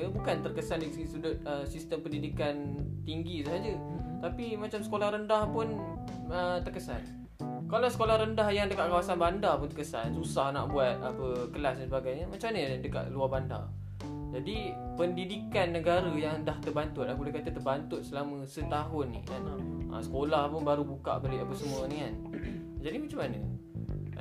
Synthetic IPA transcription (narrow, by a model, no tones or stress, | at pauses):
bukant̪ərkəsaldisəisudʊt̪̚əmsist̪əmpəndidikant̪iŋɡisuɦad͡ʒət̪apimat͡ʃamsə̥kolahɾəndahpʊn | ət̪ərkəsa̰n | kalawsə̥kolahɾəndahjaŋdəkaʔ̪̚kawasanbandapʊnt̪ərkəsa̰nsusahna̰ʔbuat̪̚apəkəlasdansəbaɡajɲəmat͡ʃamɲədəka̰ʔ̪luarbanda̰ | d͡ʒadi | pəndidikanːəɡaɾajaŋdaht̪ərbant̪ʊt̪̚ahbulehkat̪at̪ərbant̪ʊt̪̚səlamə̃sət̪aɦʊnːḭkana̰ʔə̰sə̥kolahpʊnbaɾubuka̰ʔbəɾiʔapəsəmũənikan | d͡ʒadimat͡ʃamanə̰